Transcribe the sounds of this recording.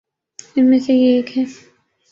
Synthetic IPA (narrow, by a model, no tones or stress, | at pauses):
ɪnmesejeeːkɦɛː